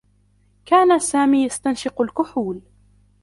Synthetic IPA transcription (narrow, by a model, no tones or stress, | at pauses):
kaːnasaːmiːjast̪anʃɪqʊlkʊħuːl